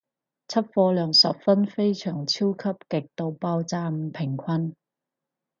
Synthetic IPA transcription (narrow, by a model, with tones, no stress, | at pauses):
t͡sʰɐ˥t̚fɔː˧lœː˨˩ŋsɐ̰˨p̚fɐ˥nfe˥jt͡ʃʰœː˨˩ŋt͡sʰiː˥wkʰɐ˥p̚kɪ˨k̚t̪o˨˧wpaː˧wt͡saː˧m̩˧pʰɪ˨˩ŋkʷʰɐ˥n